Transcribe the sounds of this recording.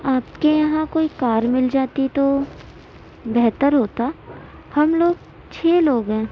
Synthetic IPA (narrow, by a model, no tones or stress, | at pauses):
aːpkejɐɦãkoːikaːɾmɪld͡ʒaːt̪it̪o | bɛɦt̪əɾɦoːt̪a | hɐmloːɡ̚ | t͡ʃʰeːloːɡɦɛ̃ː